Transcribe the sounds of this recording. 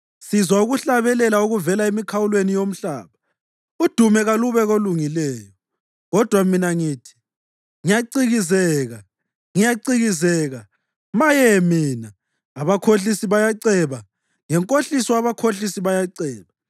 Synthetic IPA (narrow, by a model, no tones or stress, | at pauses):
sizwauɣuɬaβɛlɛlauɣuvɛlaemikʰawulwenijom̩ɬa̰ːβa | ud̥ʱumɛɣaluβɛɣoluŋilɛːjɔ | ɣɔd̥ʱwaminaŋiːtʰi̥ | ŋijaǀiɣizɛːɣa | ŋijaǀiɣizɛːɣa | majɛmiːnaː | βakʰoɬisiβajaǀɛβa | ŋɛŋkʼoɬisɔaβakʰoɬisiβajaǀɛːβa